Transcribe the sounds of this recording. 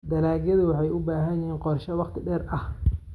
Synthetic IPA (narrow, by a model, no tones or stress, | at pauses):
d̪ɐlaːɣjɐðʊwɑħɑjʊbaːɦɐjɪhiːnqɔrʃɐwɑqt̪ʰɪɖɛːrʔɐh